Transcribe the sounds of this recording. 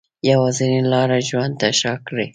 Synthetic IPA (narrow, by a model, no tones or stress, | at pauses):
jawazinelɑɾaʒwand̪̚t̪aʃɑkɽi